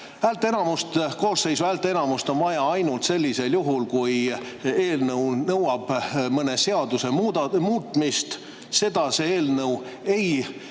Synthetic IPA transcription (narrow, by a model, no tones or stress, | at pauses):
æːlt̪ːˑee̞nɑmust̪ko̞ːsːe̞jsvæːlt̪ːˑee̞nɑmust̪o̞nvɑjɑɑjnult̪se̞lʲːise̞ljuɦulkuj | e̞ːlnɤwnɤwɑb̥mɤne̞se̞ɑd̪̥use̞muːd̪ɑmuːt̪ːˑmist̪ | se̞d̪̥ɑse̞eːlnɤw | e̞j